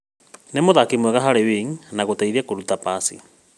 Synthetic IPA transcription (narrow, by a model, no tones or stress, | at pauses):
nemoðakemwɛɣaɦaɾeweŋnaɣotaiðakoɾutapasḭ